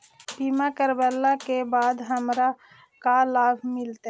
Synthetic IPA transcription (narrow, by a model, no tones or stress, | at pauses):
bimakəɾbəlːakebaːd̪ɦəmɾa | kalaːbʱmɪlt̪